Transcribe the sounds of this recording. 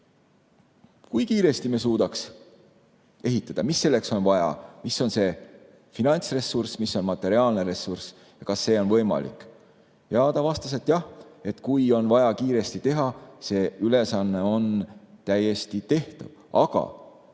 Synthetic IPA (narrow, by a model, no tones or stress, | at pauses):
kujkiːɾe̞st̪imes̬uːd̪̥ɑks | e̞ɦit̪ːˑɑd̪̥ɑmisːe̞lːe̞kso̞nvɑjɑ̰miso̞nse̞ | finɑnʲt̪sre̞sursmisːo̞nmɑt̪ːˑe̞ɾiɑːlne̞ɾe̞sːurs | jɑkɑsːe̞ːo̞nvɤ̞jmɑ̰lḭkːˑ | jɑːd̪̥ɑvɑst̪ɑs̬e̞t̪ːˑjɑhe̞t̪kujo̞nvɑjɑkiːɾe̞st̪it̪e̞ɦɑse̞ːyle̞sɑnːe̞o̞nt̪æje̞st̪it̪e̞ht̪uv | ɑ̰ɡ̥ɑ̰